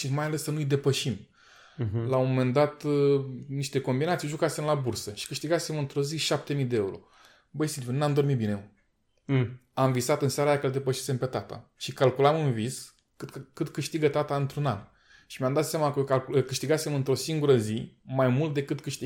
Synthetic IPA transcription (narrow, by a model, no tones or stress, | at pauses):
ʃimajale̞sːənujd̪e̞pəʃim | laomome̞nd̪at̪ | niʃt̪e̞ko̞mbinat̪siʒukase̞mlabursəʃi̥kɨʃt̪iɡase̞mɨnt̪ɾo̞ziʃap̚t̪e̞mid̪eeuɾo̞̰ | bəjsimunnamd̪o̞rmit̪̚bine̞ | amvisat̪ɨnsaɾajakələd̪e̞pəʃese̞mpe̞t̪at̪a̰ʃikalkulamɨnvis | kɨt̪kɨt̪kɨʃt̪iɡət̪at̪aɨnt̪ɾunan | ʃimeamd̪at̪sjamakəkalkkɨʃt̪iɡasemɨnt̪ɾo̞siŋɡuɾəzimajmult̪̚d̪e̞kɨt̪kɨʃt̪i